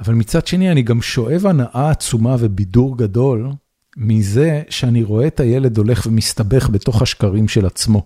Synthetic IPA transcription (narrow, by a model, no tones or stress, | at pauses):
avalmit͡sad̥ʃe̞nianiɡamʃo̞ʔe̞vanaʔaːt͡sumave̞biduʁɡado̞l | mize̞ʃeaniʁo̞e̞taje̞le̞do̞le̞χvemist̪abe̞χbe̞to̞χhaʃkaʁimʃe̞lat͡smo̞